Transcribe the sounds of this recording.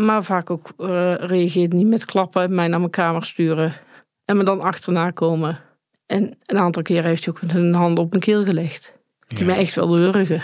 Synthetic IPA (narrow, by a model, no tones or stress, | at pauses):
maːvaːkokrejaɣɪːtnimɛtklɑpəmɛjnaːməkaːməɹstyːərə | ɛnmədɑnɑxtərnaːkoːmə | ʔɛnənaːntɑlˠkɪːɾəɦeftiokmɛtɦənɦɑndɔpənkɪlˠɣəlɛxt | dimɛjɛxtʋɛ̰lˠøːrəɣə